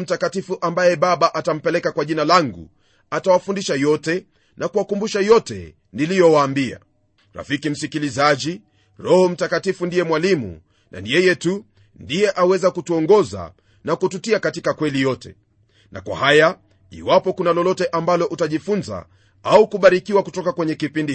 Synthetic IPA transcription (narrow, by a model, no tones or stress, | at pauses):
m̩takatifuʔambajɛɓaɓaʔatam̩pɛlɛkakwaʄinalaŋɡṵ | atawafundiʃajɔtɛ | nʔakuwakumbuʃajɔtɛ̰ | nilijɔwaːmbia̰ | ɾa̰fikim̩sikilizaʄi | ɾɔhɔm̩takatifundijɛmwalimṵ | nʔa̰nijɛjɛtu | ndijɛʔawɛzakutuɔŋɡɔza̰ | nakututiakatikakwɛlijɔtɛ̰ | nʔa̰kwa̰haja | ḭwapɔkunalɔlɔtɛʔambalɔʔutaʄifunza̰ | aukuɓaɾikiwakutɔkakwɛɲɛkipindi